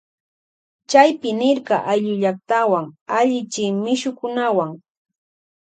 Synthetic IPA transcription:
t͡ʃajpɪnɪɾɢɑʔajʎʊʎak̚t̪awaŋaʎɪt͡ʃɪmɪʃʊkʊnawaŋ

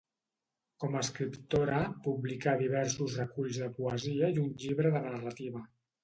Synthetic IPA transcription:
kɔmaːskɾipt̪oɾəpuβlikaðiβ̞ɛɾsuzrəkuʎzðəpuəziəiunʎiβɾəðənərət̪iβə

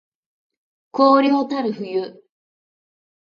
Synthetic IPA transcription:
koːɾʲiɦo̞t̪aɾɯ̟ɸɯ̟jɯ

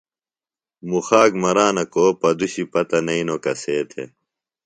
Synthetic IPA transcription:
muxaːɡmɐɾaːnɐkoːpɐd̪uɕipɐt̪ɐnɐinokɐseːt̪ʰḛ

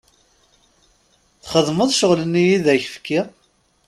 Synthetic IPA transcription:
θχəðˤməðˤʃəʁlənːijiðæçəfkːi

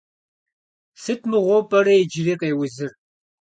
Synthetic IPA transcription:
sɨtʰmɨʁʷɔpʼɐɾɐed͡ʒɪliːqeːwʊzɨr

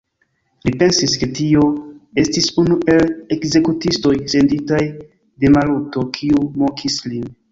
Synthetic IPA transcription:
lipe̞nsiske̞tio̞e̞stisunuʔe̞le̞kze̞kutisto̞jse̞nditaj | de̞maluto̞kʰiumokʰislin

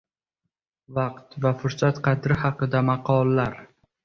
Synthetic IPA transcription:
vɑqt̪vafʊɾsat̪qʰɑt̪ɾɪhɑqɨd̪amɑqʰɒlˠːaɾ

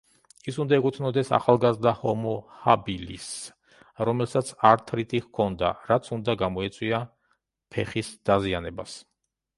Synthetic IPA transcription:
isund̪aɛkʼut̪ʰnɔd̪ɛsa̰χalˠɡazɾd̪ahɔmɔhabilḭs | ɾɔmɛlˠsat̪sʰaɾt̪ʰɾit̪ʰʼihkʰɔnd̪a̰ɾat̪sʰund̪aɡamɔɛt̪sʼwia | pʰɛχisd̪̥azianɛbas

